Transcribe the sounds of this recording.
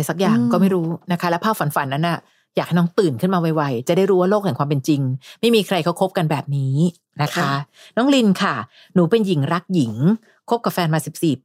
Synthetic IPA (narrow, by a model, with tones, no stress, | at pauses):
jsa˨˩k̚jaː˨˩ŋkɔː˥˩ma˥˩jɾuː˦˥na˦˥kʰa˦˥lɛ˦˥wpʰaː˥˩wfa˨˦nfa˨˩˦nːa˦˥nʔa˥˩ | jaː˨˩k̚a˥˩jnɔː˦˥ŋt̪ɯː˨˩nkʰɯ˥˩nmaː˧wa˧jwa˧jt͡ɕa˨˩da˥˩jɾu˦˥waː˥˩loː˥˩k̚hɛ˨˩kwaː˧mpe˧nt͡ɕi˧ŋma˥˩jmiː˧kʰɾa˧jkʰa˥wkʰo˦˥p̚ka˧nbɛː˨˩p̚niː˦ | na˦˥kʰa˦˥ | nɔː˦˥ŋli˧nkʰa˥˩ | nuː˩˦pe˧nji˨˩˦ŋɾa˦˥k̚ji˨˩˦ŋ | kʰo˦˥p̚ka˧˩p̚fɛː˧nmaː˧si˨˩p̚si˨˩p̚